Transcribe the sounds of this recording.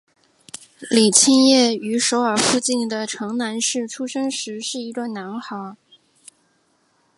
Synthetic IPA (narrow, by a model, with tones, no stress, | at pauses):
li˨˩t͡ɕʰi˥njɛ˥˩y˧˥ʂo˧˥ʊə˞˨˩fu˥˧t͡ɕi˥˩nd̪ə˩ʈ͡ʂʰɤ˧˥ŋna˧˥nʂɻ̩˥˩ʈ͡ʂʰu˥ʂɤ˥ŋʂɻ̩˧˥ʂɻ̩˥˩i˧˥ʈ͡ʂa˥˩na˧˥nxɑ˧˥